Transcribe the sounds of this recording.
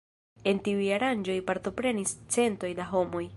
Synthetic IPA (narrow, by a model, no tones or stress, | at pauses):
e̞ntiujaɾand͡ʒo̞jpaɾto̞pɾe̞nist͡se̞nto̞jdaɦo̞mo̞j